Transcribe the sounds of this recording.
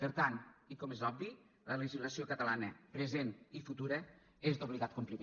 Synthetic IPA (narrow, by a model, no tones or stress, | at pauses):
pəɾt̪anikɔmezɔbbi | lələʒizləsiokət̪əlanəpɾezenifut̪uɾə | ezd̪oβliɣat̪̚kumplime